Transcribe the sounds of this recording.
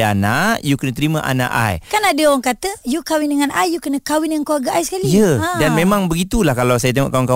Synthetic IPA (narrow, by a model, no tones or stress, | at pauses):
anaʔjukənət̪əɾimãʔa̰na̰ʔa̰jkanadəoaŋkat̪əjukawɪndəŋanajjukənəkawɪndəŋankoaɡaʔajsə̥kalijədanmemãŋbəɡit̪ulahkalawsajat̪eŋɔ̰ʔkawɪnka